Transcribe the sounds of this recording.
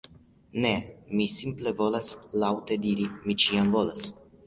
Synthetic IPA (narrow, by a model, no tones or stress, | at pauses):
nemisimple̞vo̞laslawt̪e̞d̪iɾimit͡ʃiamvo̞las